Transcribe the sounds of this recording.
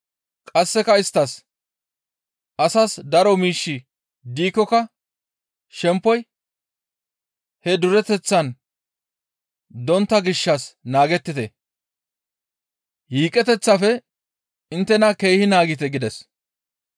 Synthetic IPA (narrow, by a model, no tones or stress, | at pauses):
kʼɐsːɛkɐɪst̪ːɐs | ʔɐsɐsd̪ɐɾɔmiːʃːɪ | d̪iːkːɔkɐ | ʃɛmpːɔj | hɛd̪ʊɾɛt̪ɛt͡sːɐn | d̪ɔnt̪ːɐɡɪʃːɐsnaːɡɛt̪ːɪt̪ɛ | hiːkʼɛt̪ɛt͡sːɐfɛ | ɪnt̪ːɛnɐke̞ːhɪnaːɡɪt̪ɛɡɪd̪ɛs